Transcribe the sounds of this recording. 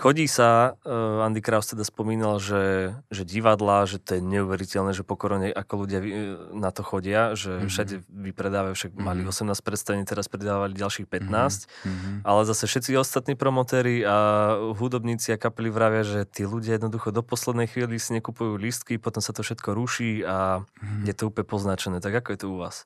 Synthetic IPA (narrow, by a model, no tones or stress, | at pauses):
xɔɟiːsa | and̪ikɾaʊst̪ɛd̪aspɔmiːnalʒɛʒɛɟiʋad̪laʒɛt̪ɔjɛɲɛuʋɛɾicɛlnɛːʒɛpɔkɔɾɔɲɛʔakɔluɟɪainat̪ɔxɔɟɪaʒɛfʃaɟɛʋipɾɛd̪aːʋafʃaɡ̚maliɔsɛmnaːsc̚ʲpɾɛt̪st̪aʋɛɲiːt̪ɛɾaspɾɛd̪aːʋaliɟalʃiːxpɛt̪naːscʔalɛzasɛfʃɛt̪t͡siɔst̪at̪niːpɾɔmɔt̪ɛːɾiaɦud̪ɔbɲiːt͡siakapɛliʋɾaʋɪaʒɛt̪iːluɟɪajɛd̪nɔd̪uxɔd̪ɔpɔslɛd̪nɛjxʋiːlisiɲɛkupujuːlist̪kipɔt̪ɔmsat̪ɔfʃɛt̪kʰɔɾuʃiːajɛt̪ɔupɲɛpɔznat͡ʃɛnɛːt̪aɡakɔjɛt̪ɔuʋaːs